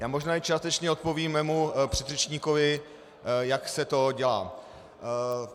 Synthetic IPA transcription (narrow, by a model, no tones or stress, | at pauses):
jaːmoʒnaːɪt͡ʃaːst̪ɛt͡ʃɲɛo̞t̪̚poviːmːɛːmupr̝̥ɛd̪rɛt͡ʃɲiːkovɪ | jaksɛt̪o̞ɟɛla̰ː